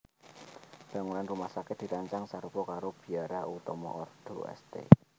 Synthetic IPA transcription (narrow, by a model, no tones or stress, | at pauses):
b̥a̤ŋunanrumahsakɪt̪̚d̥̪i̤ɾaɲt͡ʃaŋsaɾupɔkaɾob̥i̤aɾaut̪ɔmɔ̰ʔɔrd̪̥o̰ɛ̰st̪ḛ